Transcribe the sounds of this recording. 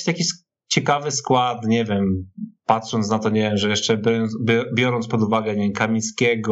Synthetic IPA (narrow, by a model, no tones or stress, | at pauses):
jakʲiɕs | t͡ɕɛkavɘskwat̪ɲɛvʲjɛmpat̪ʂɔnt̪snat̪ɔɲɛvʲjɛmʐɛjɛʂt͡ʂɛbjbʲbʲjɔɾɔnt̪spɔd̪uvaɡɛɲɛkamʲiskʲɛɡɔ